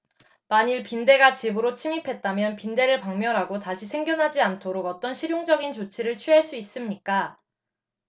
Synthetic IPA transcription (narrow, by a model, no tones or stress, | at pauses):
maɲiɭpinde̞ɡat͡ɕibɯɾot͡ɕʰimipʰe̞t̚t͈amjʌnpinde̞ɾɯɭpaŋmjʌɾɦaɡotaɕʰisʰe̞ŋɡjʌnɦad͡ʑiantʰoɾoɡʌt͈ʌnɕʰiɾjoŋd͡ʑʌɡint͡ɕot͡ɕʰiɾɯɭt͡ɕʰɥyɦaɭs͈uis͈ɯmɲik͈a